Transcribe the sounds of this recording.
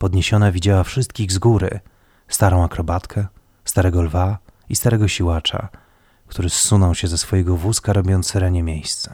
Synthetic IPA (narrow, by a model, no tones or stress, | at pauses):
pɔd̪ɲeɕɔnavʲid͡ʑawafʂɘst̪̚kʲiɣzɡuɾɘ̰ | st̪aɾɔ̃w̃akɾɔbat̪kʰɛ | st̪aɾɛɡɔlvaist̪aɾɛɡɔɕiwat͡ʂa̰ | kt̪uɾɘsːunɔ̃wɕɛzɛsfɔjɛɡɔvuskaɾɔbʲjɔnt̪sɛɾɛɲɛmʲjejst̪sɛ̥